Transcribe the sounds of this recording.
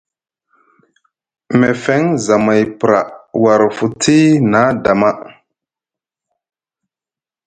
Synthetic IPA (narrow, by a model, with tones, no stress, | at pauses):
me˨fe˦ŋza˨ma˨jpɾa̰˨wa˨ɾfu˨tʰi˦na˨˦da˨ma˦